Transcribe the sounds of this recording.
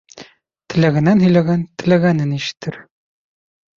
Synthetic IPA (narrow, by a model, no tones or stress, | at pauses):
t̪ɘ̆læɡɘ̆nænɦɵ̆jlæɡænt̪ɘ̆læɡænɘniʃɘ̥̆t̪ʰːɘɾ